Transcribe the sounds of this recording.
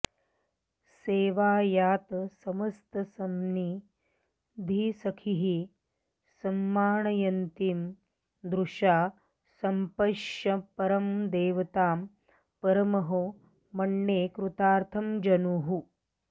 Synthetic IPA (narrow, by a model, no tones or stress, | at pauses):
seːʋaːjaːt̪ɐsɐmɐst̪ɐsɐmni | d̪ʱisɐkʰiɦi | sɐmːaːɳɐjɐnt̪im | d̪ɾuʃaː | sɐmpɐʃɐpɐɾɐmd̪eːʋɐt̪aːm | pɐɾɐmɐɦɐ | mɐɳːeːkɾut̪aːɾt̪ʰɐmd͡ʒɐnuːɦu